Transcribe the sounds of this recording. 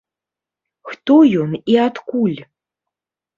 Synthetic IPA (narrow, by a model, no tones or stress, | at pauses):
xt̪ɔjɔniat̪kulʲ